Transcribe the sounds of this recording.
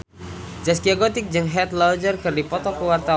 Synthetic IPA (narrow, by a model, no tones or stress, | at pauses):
d͡ʒaskiaɡot̪ɪk̚d͡ʒɨŋɦɛt̪lad͡ʒərkɨrdipɔt̪ɔkəwart̪a